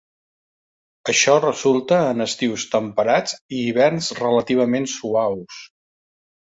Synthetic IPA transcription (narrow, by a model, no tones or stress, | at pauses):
əʃɔrəzulˠt̪əːnəst̪iwst̪əmpəɾad͡ziːβ̞ɛrnzrələt̪iβ̞əmensuaws